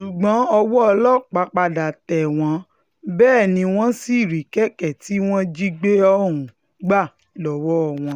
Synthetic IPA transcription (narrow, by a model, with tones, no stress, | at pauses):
su˨ɡ͡bɔ̃˨˦ɔ˧wɔ˦ɔ˧lɔ˦˨k͡pa˧˦k͡pa˧da˨tɛ˨w̃ɔ̃˧˦ | bɛː˦˨nĩ˧w̃ɔ̃˦si˦˨ɾi˨˦kɛ˦kɛ˨ti˨˦w̃ɔ̃˦d͡ʒi˦ɡ͡be˦ɔ˦˨ũ˨ | ɡ͡ba˦˨ | lɔ˨wɔ˦˨w̃ɔ̃˧